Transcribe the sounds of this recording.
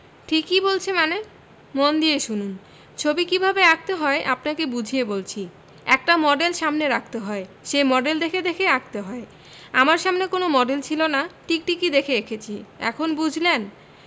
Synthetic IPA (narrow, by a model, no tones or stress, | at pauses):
ʈʰikːibolt͡ɕʰemane | mond̪ieʃunun | t͡ɕʰobikibʱabeak̚t̪eɦɔeʔapnakebud͡ʑʱiebolt͡ɕʰi | ɛk̚ʈamɔɖelʃamneɾak̚ʰt̪eɦɔe | ʃejmɔɖeld̪ekʰed̪ekʰeak̚t̪eɦɔe | amaɾʃamnekonomɔɖelt͡ɕʰilonaʈik̚ʈikid̪ekʰeekʰet͡ɕʰiɛ̰kʰonbud͡ʑʱlen